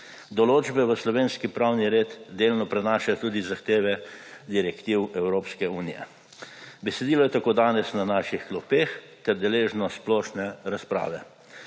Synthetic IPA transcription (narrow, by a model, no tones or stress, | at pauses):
d̪ɔloːd͡ʒbɛʋəslɔʋeːnskipɾawniɾeːt̪d̪eːlnɔpɾɛnaːʃajt̪uːd̪izaxt̪eːʋɛd̪iɾɛkt̪iːwɛwɾoːpskɛuːnijɛ̰ | bɛsɛd̪iːlɔjɛt̪akoːd̪aːnɛsnanaːʃixklɔpex | t̪ɛɾd̪ɛleːʒnɔsplɔːʃnɛɾaspɾa̰ːʋɛ̰